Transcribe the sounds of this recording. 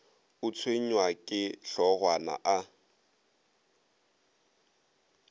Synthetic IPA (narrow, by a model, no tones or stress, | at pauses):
ʊt͡sʰweɲ̩wakʼɪɬɔɣwana̰ʔa